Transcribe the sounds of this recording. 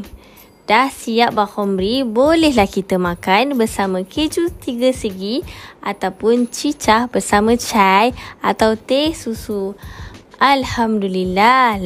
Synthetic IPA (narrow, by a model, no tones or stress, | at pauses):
d̥ahsiap̚bahɔmɾibolɛhlahkit̪əmãkanbərsamə̃kʰed͡ʒut̪iɡəsəɡiat̪awpʊnt͡ʃit͡ʃahbərsamə̃t͡ʃaja̰t̪awt̪esusu | ʔalhamdulila